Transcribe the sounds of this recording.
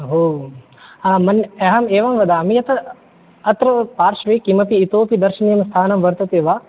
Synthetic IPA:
ɦoː | amɐnɛɦɐmeːʋɐmʋɐd̪aːɐmijɐt̪ɐ | ɐt̪ɾɐpaːɾʃʋekimɐpiːt̪oːpid̪ɐɾʃɐnijɐmst̪ʰaːnɐmʋɐɾt̪ɐt̪eːʋaː

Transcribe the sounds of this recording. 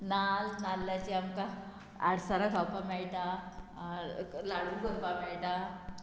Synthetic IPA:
nalnalːat͡ɕiamka | a̰ɽsaɾakawpamɛɭʈ̪a | laɽuɾɡʱəmpamɛɭʈa

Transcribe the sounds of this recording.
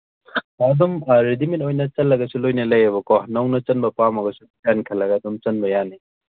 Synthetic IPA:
ɐdumɾidimitojnɐt͡ʃɐlːɐɡɐsulojnɐlɐjɐbɐkɔnɐwnɐt͡ʃɐnbɐpamɐɡɐsubikankʰɐlɐɡɐːdumt͡ʃɐnbɐjani

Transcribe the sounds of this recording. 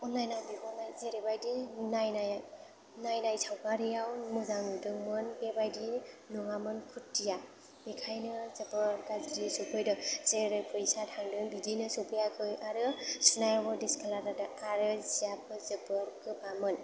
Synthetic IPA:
ɔnːajnajbibɔnajzeɾebajdinajnaja | najnajsʰawkaɾijawmɯzaŋɯdɯŋmɯnbebajdi | nuŋamɯnkʰutːija | mikʰajnɯzɯbɯɾɡazɾisupʰɯjdɯzeɾepʰɯjsatʰaŋdɯbidinɯsɔpʰɯjakʰɯjʔaɾɯsunajawɯdeskʰalaɾadɯaɾɯzijapʰɯzɯbɯɾkɯbamɯn

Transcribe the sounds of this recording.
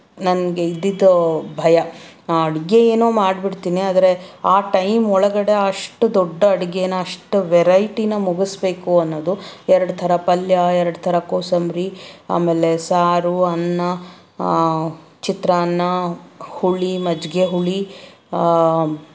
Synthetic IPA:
nɐnɡe̞id̪ːid̪ɐbʱɐjɐɐɽiɡe̞eːnoːmaːɖbiɽt̪iːniaːd̪ɐɾe̞aːʈɐjmɔɭɐɡɐɽe̞ɐʂʈud̪ɔɖːɐɐɽiɡenɐɐʂʈuʋɛɾɐjʈinɐmuɡisbe̞ːkuɐnːoːd̪uɛɾɐɽut̪ʰɐɾɐpɐljɐɛɾɐɽut̪ʰɐɾɐkoːsɐmɾia̰ːmeːle̞saːɾuɐnːɐ | t͡ʃit̪ɾanːɐhuɭimɐd͡ʒɡeɦuɭi

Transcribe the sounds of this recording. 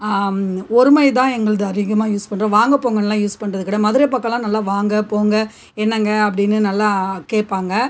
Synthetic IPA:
ɔɾɯmɐjt̪̬ãːɛŋɡɐɭɐðɯɐɾɪɣɐmaːjuːspɐɳːɾɐ̃ːʋaːŋɡɐpoːŋɡɐnɐlːãːjuːspɐɳrɐðɯkːɪɽɐmɐðɯɾɐɪpɐkːɐ̃lãːnɐlːaːʋaːŋɡɐpoːŋɡɐ | ɛnːɐŋɡɐɐpːɐɽɪnːɯnɐlːakeːpːaːŋɡɐ

